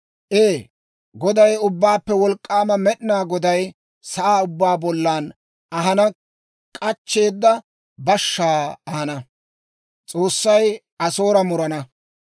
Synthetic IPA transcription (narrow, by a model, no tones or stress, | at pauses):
ʔeː | ɡɔd̪ɐjʊbːaːpːɛwɔlkʼːaːmɐmɛɗɪnaːɡɔd̪ɐj | sɐʔaːʊbːaːbɔlːaːn | ɐɦɐnɐ | kʼɐt͡ʃːe̞ːd̪ːɐ | bɐʃːaːɐhɐnɐ | t͡sʼo̞ːsːɐj | ɐso̞ːɾɐmʊɾɐnɐ